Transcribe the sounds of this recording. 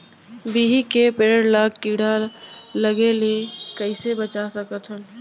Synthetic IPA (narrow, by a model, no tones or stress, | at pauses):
biːɦikepeɾəɾlaːɡkiːɽaləɡelekəɪsebət͡ʃasəkət̪ʰən